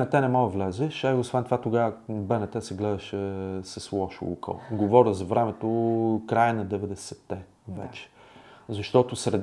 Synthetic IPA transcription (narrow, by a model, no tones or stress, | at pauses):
nɛt̪ɛnɛmɔd̪əvlɛzɛʃaiosvɛnt̪ovat̪oɡavəbɛnɛt̪ɛsɛɡlɛd̪əʃɛsəslˠɔʃʊ̰ṵkə̰lˠɡovɔɾʲəzɐvɾɛmɛt̪okɾajənɐd̪ɛvɛd̪ɛsɛt̪ːɛ | vɛ̰t͡ʃɛ̥zɐʃt̪ɔt̪ʊsɾɛd̪